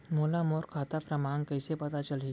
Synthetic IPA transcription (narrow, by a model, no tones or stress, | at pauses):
molamoɾkʰat̪apɾəmankəjsepət̪at͡ʃəle